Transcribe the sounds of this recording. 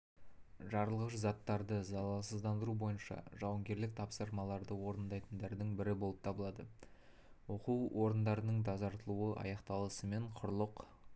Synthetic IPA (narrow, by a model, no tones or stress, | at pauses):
ʒɑɾəlˠʁəʃzɑt̪ːɑɾd̪əzɑlˠɑsəzd̪ɑnd̪əɾubo̞jənʃɑ̰ʒɑwɑŋɡʲe̞ɾlɪk̚t̪ʰɑpsəɾmɑlˠɑɾd̪əwo̞ɾənd̪ɑjt̪ənd̪ɑɾd̪əɴbɪɾɪbo̞lˠəp̚t̪ʰɑbəlˠɑd̪ə | wo̞quwʔo̞ɾənd̪ɑɾənəɴd̪ʰɑzɑɾt̪əlˠuəʔɑ̰jɑqt̪ɑlˠəsəme̞ɴqʰʊɾlˠəq